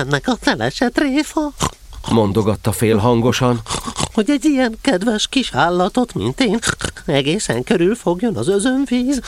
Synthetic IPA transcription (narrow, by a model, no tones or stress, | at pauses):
ɛnːɛkɒfɛlɛ̰ʃɛt̪reːfɒ | mo̞nd̪o̞ɡɒt̪ːɒfeːlɦɒŋɡo̞ʃɒnho̞ɟɛɟijɛŋkɛd̪vɛʃkiʃaːlːɒt̪o̞t̪mḭnt̪eːnɛɡeːsɛ̰ŋkø̞ɾylfo̞ɡjo̞nɒzø̞zø̞ɱviːz